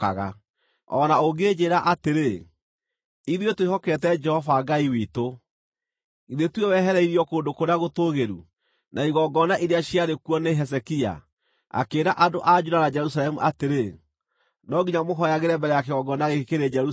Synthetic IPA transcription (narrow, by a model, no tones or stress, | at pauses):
aɣa | ɔ̰naoɡed͡ʑeːɾaʔateɾe | iðiotwehɔkɛtɛd͡ʒɛhɔvaɡaiwito | iðetwewɛɦɛɾɛiɾiɔkoːndokoɾeaɣotoɣeɾu | naiɣɔɡɔnaʔeɾeaɕiaɾekwɔneɦɛsɛkia̰ | a̰keːɾaʔadoʔad͡ʒudanad͡ʒɛɾus̬alɛmuʔateɾe | nɔɡiɲamoɦɔjaɣeɾɛmbɛɾɛjakeɣɔɡɔnaɣekkeɾed͡ʒɛɾu